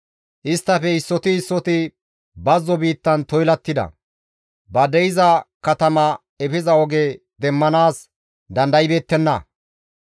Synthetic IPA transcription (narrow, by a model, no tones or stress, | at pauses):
ʔɪst̪ːɐfɛɪsːɔt̪ɪɪsːɔt̪ɪ | bɐzːɔbiːt̪ːɐnt̪ɔjlɐt̪ːɪd̪ɐ̰ | bɐd̪ɛjɪzɐkɐt̪ɐmɐ | ɛfɪzɐɔɡeː | d̪ɛmːɐnaːs | d̪ɐnd̪ɐjɪbe̞ːt̪ːɛnːɐ̰